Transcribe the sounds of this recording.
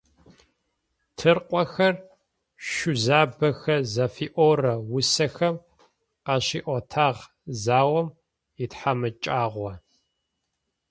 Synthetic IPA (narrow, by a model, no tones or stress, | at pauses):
tʰɨrqʷʼɔxɐr | ʃʊzaːbɐxɐzɐfiːʔorɐwʊsɐxɐm | qɐɕiːʔʷɔtʰaːʁ | zaːwɐm | itħamɨt͡ʃʼaːʁʷɔ